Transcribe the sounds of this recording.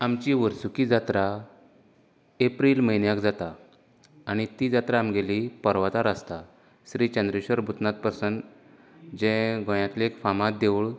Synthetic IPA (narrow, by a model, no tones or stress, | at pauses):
amt͡ɕiʋəɾsukid͡zat̪ɾa | epɾilməjnjakd͡zat̪aː | ɽ̃it̪id͡zat̪ɾaːmɡelipəɾʋat̪aɾast̪a | ɕɾit͡ɕə̃nd̪ɾiɕəɾbʱut̪nat̪̚pəɾsən | d͡ʑɛ̃ɡʱɔ̃jãt̪lekfamãt̪̚d̪eʋɭ